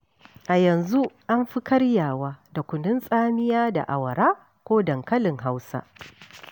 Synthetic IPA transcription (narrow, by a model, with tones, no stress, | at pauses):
ʔa˨jɐ˨nzu˦ʔa˦mɸi˦kʰɐ˦ɽjaː˨waː˦da˨kʷʊ˨nɪ˦nsʼaː˦mɪ˦jaː˦da̰˨ʔa˨wɐ˨ɾaː˦ | kʷoː˦dɐ˨ŋkɐ˦lɪ˨ŋɦa˦wsa̰˦